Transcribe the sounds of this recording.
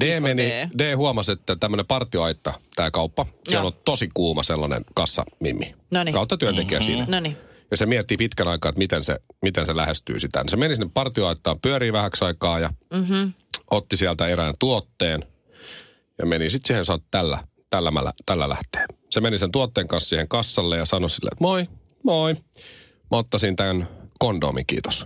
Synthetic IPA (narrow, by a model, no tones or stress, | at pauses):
d̥eːmenideːhuɑmɑset̪ːæt̪æmːənepɑrt̪ioɑit̪ːɑt̪æːkɑupːɑsiælot̪osikuːmɑselːɑnḛnkɑsːɑ̰mḭmːḭnnkɑut̪ːɑt̪yønt̪ekiæsḭːnnjɑsemiɛt̪ːipit̪kænɑikɑːet̪mit̪ensḛmit̪enselæhest̪y̰ːsit̪æ̰nisemenisinːeppɑrt̪ioɑit̪ːɑːmpyøɾiːʋæhæksɑikɑːjɑ | ʔot̪ːisiælt̪æeɾæːnt̪uot̪ːeːn | jɑ̰menisit̪siːhensɑtt̪ælːæ̰ | t̪ælːæmæ̰læ̰t̪ælːælæ̰ht̪e̥ːnsemenisent̪uot̪ːeːŋkɑnssiːheŋkɑsːɑlːejɑsɑnosilːḛːt̪moi | moi | mæot̪ːɑsint̪ænkondo̰ːmḭŋkḭːt̪o̥s